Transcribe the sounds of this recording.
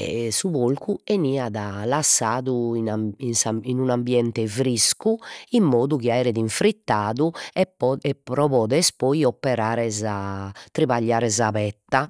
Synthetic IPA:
ɛ̰suβolkʰueniːaðalasːaːðuinansainunambjɛnt̪ɛfɾiskuimːoːðuɣiaɛːɾɛðiɱfɾit̪ːaːðuɛɛpɾɔβɔːðɛspɔiɔpːɛɾaːɾɛzat̪ɾiβaʎːaːɾɛzaβɛt̪ːa

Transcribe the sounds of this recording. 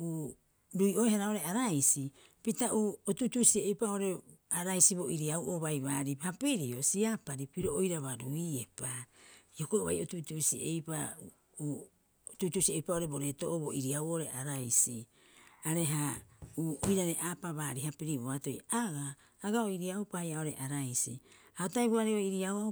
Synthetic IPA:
uː | ɾuio̞ehaɾao̞ɾe̞aɾajsi | pitaʔuːotutusiejpao̞ɾe̞aɾajsiβo̞ʔiɾiawʔoβajβaːɾihapiɾio̞siapaɾipiɾo̞ojɾaβaɾuiepaiokoβa̰jo̞tutusiḛjpa | u | otutusiejpao̞ɾe̞bo̞ɾe̞to̞ʔoboʔiɾiawoɾe̞ʔaɾajsi | aɾe̞ɦauːojɾaɾeʔaːpaβaːɾihapiɾiboβato̞jaɡaː | ɡaoiɾiaupajao̞ɾe̞ʔaɾajsḭ | aotajβoaɾeoiɾiawa

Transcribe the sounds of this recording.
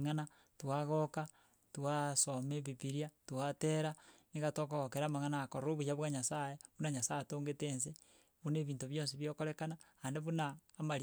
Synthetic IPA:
ŋana | twaɣoka | twasomeβipiɾjatuateɾaneɣatokoɣokeɾaːmaŋanakoɾoβuaβwaɲasajeβunaɲasajetoːŋɡeteːnse | βuneβiːntoβjoːns̬iβjokoɾekanaandeβunaːmaɾ

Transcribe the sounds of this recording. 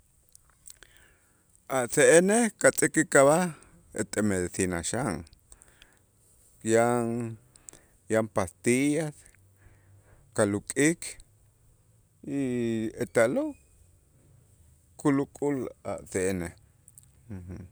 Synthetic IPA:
aʔseʔenehkat͡sʼikikaβah | ḛt̪emeðisina̰ʃaŋ | jaŋ | jampast̪ijas | kalukʼikʰ | iet̪aʔlo | kulukʼula̰ʔseʔene | h

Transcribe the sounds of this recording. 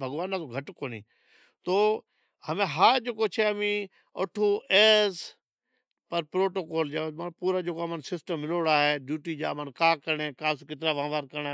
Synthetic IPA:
bʱəɡʋaːnaːtoɡʱəʈkoːnḭː | t̪oː | həmẽːɦaːd͡ʒeːkoːt͡ʃʰeːmĩː | oːʈʰoːeːz | pəɾpɾoːʈoːkoːld͡ʒaːmpuːɾaːd͡ʒeːkomənsɪsʈəmːɪloːɽaːɦeːɖjuːʈiːd͡ʒa̰ːmənkaːkəɾɳeːkaːskɪt̪̬ɾaːʋãːʋaːɾkəɾaː

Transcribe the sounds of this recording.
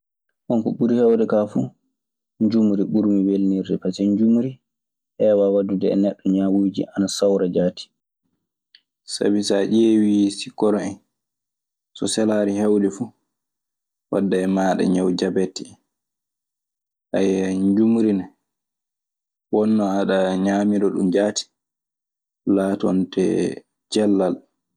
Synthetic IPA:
ʔɔnkɔɓuɾihɛwdɛkafu | ɲd͡ʒumuɾiɓuɾmiwelniɾdɛpasɛɲd͡ʒumɾi | ʔɛwawadudɛ̰ːnɛɗːɔɲawuːd͡ʒḭʔanasawɾad͡ʒaːti̥ | sa̰bisaʔewisikːɔɾɔɛn | sɔsɛlaːɾihawɗɛfu | wa̰dːajmaːɗa̰ɲawd͡ʒabɛtːi | ʔajɲd͡ʒumɾina | wɔnːɔaɗaɲaːmiɾɔɗṵmd͡ʒaːti̥ | laːtɔntɛ̰ | d͡ʒɛlːal

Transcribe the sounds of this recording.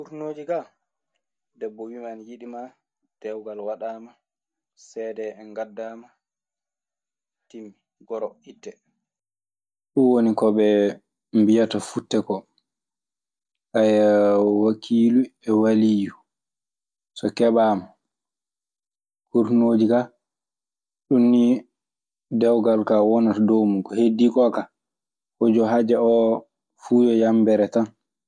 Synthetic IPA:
kuɾnoːd͡ʒiɡa | dɛbːɔwimanjiɗima | d̥ɛwɡalwaɗaːma | sɛdɛɛnɡadːama | timːi | ɡɔɾɔʔitːɛ | ɗuwonikɔɓɛ | mbijatafutːɛkɔ | ʔajwakʰiːluɛwaliju | sɔkɛɓaːma | kuɾnoːd͡ʒika | ɗunːi | dɛwɡalkawɔnatadowmukɔhedːikɔka | hɔd͡ʒɔɦad͡ʒɛɔ | fujɔjambɛɾɛtan

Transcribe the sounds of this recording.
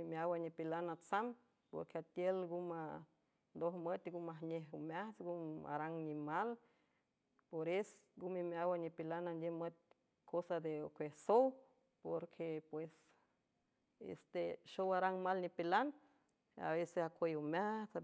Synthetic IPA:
imjawanipilanat͡sam | po̰ɾkeat̪jelɡuma | nd̪ohmət̪ɡumahneɦumaht͡sɡuma̰ɾaŋnimal | poɾesɡumimawanipilanand̪ʲemət̪̚ | kʰosad̪eokʷehsow | poɾkʰepwes | ḛst̪eʃowaɾaŋmalnipilan | a̰βesesakʷejumat͡s

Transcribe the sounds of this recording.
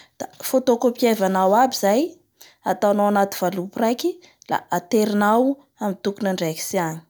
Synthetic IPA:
d̪̥afot̪okopievanawabizaj | at̪awanawanat̪iv̥aluprajkʲi | la̰at̪eɾinaw | amit̪ukunaɳɖ͡ʐajki̥siaɲi̥

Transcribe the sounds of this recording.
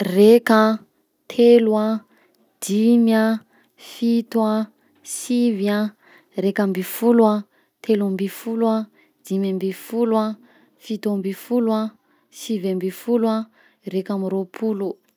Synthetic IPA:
reka | t̪ʰelwa | d̪̥imja | fit̪wa | sivja | rekambifulwa | t̪ʰelambifulwa | d̪̥imjambifulwa | fit̪ambifulwa | sivambifulwa | rekamiɾopʰulu

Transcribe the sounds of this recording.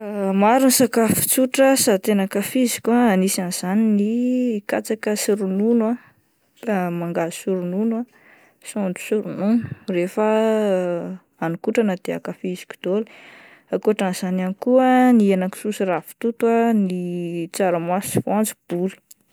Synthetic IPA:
maɾunisakafi̥t͡suʈ͡ʂəsat̪enakafizikʲaːnisanz̥aninikat͡sakəsiɾununwa | maŋɡasuɾununa | soɳɖ͡ʐu̥suɾununu̥refa | anikuʈ͡ʂanəd̪̥ea̰kafizi̥kʲu̥d̪oli̥ | akuaʈ͡ʂanz̥ananikuənienaku̥susirafi̥t̪ut̪wanit͡saɾamasivand͡zib̥uli̥

